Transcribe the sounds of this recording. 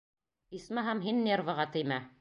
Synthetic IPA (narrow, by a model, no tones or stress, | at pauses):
ismɑɦæmɦinːʲervɤ̆ʁɑt̪ɘ̆jmæ